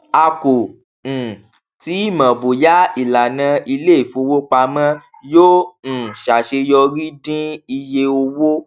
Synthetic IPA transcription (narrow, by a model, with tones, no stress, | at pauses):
a˧ko˨ | ñ̩˨ | ti˨˦i˦˨mã˨bo˨ja˦i˨la˨nã˧i˧le˦i˨fo˧wo˦k͡pa˧mã˦ | joː˦n̩˨ʃa˨ʃe˧jɔ˧ɾi˦dĩ˦i˧je˧o˧wo˦